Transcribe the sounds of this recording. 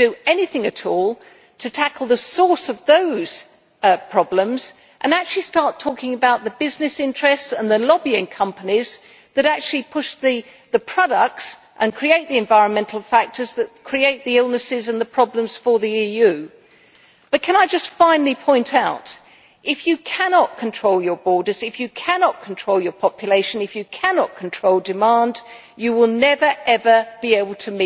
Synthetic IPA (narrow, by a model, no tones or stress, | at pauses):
d̥ɨɛnɪθɪ̃ŋɨtʰɔlˠ | tʰɨtʰækl̩ˠðəsɔɹsʌvðoʊz̥ | pʰɹ̥ɑblə̃mz̥ | ʔə̃næk̚t͡ʃʉl̩ˠistɑɹtʰɔkɪ̃ŋəbaʊt̪̚ðəbɪznɨsɪ̃nt͡ʃɹ̥ɛstsə̃nðəlɒbiɪ̃ŋkʰʌ̃mpəniz | ðɨɾæk̚t͡ʃʉl̩ˠipʰʊʃði | ðəpʰɹ̥ɑɾək̚ts | ʔə̃nkʰɹ̥ieɪʔ̪̚ðiɨ̃ɱvaɪɹə̃nmɛ̃ntʰˡl̩ˠfæk̚tʰə˞zðɨt̚kʰɹ̥ieɪt̪̚ðiɪlˠnɨsɪzɨ̃nðəpʰɹ̥ɑblə̃mz̥fə˞ðiijʉ | b̥ʌt̚kʰɨ̃ñaɪd͡ʒʌstfãɪ̃nl̩ˠipʰɔ̃ɪ̃ntʰaʊt | ɪfjɨkʰænɑt̚kʰə̃ntʰɹ̥oʊlˠjə˞bɔɹdə˞zɨfjɨkʰænɑt̚kʰn̩tʰɹ̥oʊljə˞pʰɑpjəleɪʃɨ̃nɨfjɨkʰænɒt̚kʰn̩tʰɹ̥oʊlˠdɨmɑ̃nd | jɨwɪlˠnɛvə˞ʔɛvə˞b̥ieɪbl̩ˠtʰəmi